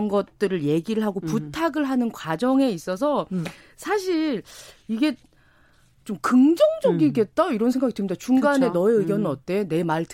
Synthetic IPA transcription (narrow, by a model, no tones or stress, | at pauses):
nɡʌt̚t͈ɯɾɯɭje̞ɡiɾɯɭɦaɡoputʰaɡɯɭɦanɯnkwad͡ʑʌŋe̞is͈ʌs̬ʰʌ | sʰaɕ̬ʰiɭiɡe̞ | t͡ɕomkɯŋd͡ʑʌŋd͡ʑʌɡiɡe̞t̚t͈aiɾʌnsʰe̞ŋɡaɡidɯimɲid̥at͡ɕuŋɡane̞nʌeɯɡjʌnɯnʌt̚t͈e̞ne̞maɭt